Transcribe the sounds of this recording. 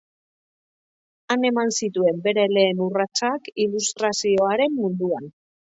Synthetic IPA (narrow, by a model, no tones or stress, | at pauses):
ane̞mansit̪ue̞mbe̞ɾe̞le̞ːnurat͡sakilust̪ɾasio̞aɾe̞mːund̪uan